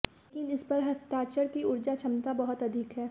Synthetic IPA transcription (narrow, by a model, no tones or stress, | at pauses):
kɪnɪspɐɾɦɐst̪aːt͡ʃəɾkiʊɾd͡ʒat͡ʃʰɐmt̪abɐɦʊt̪ɐd̪ʱɪkɦɛː